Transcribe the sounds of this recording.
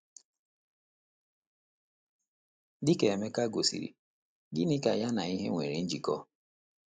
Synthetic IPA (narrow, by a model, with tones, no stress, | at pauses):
dɪ˦ke˨e˨me˦ka˦ɡo˨sḭ˨ɾḭ˨ | ɡɪ˦nɪ˦ka˨ja˦na˨i˦ɦḛ˦ŋʷe˨ɾi˨n̩˦d͡ʒi˨kɔ˦